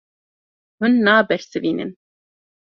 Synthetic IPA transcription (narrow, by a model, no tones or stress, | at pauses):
hʊnːaːbɛɾsɨviːnɨ̰n